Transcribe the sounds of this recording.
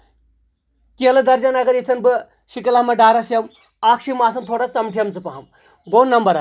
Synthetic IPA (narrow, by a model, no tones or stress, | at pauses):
kiɐlɐd̪ɐɾd͡ʒɐnɐɡɐɾjit̪ʰɐnbɨ | ʃikɐlamɐɖaːɾɐsijɐm | aːkʃimaːs̬ɐnt̪ʰoːɽat͡sɐmʈʰijɐmt͡sɨpɐɦɐm | ɡoːnːɐmbɐɾɐ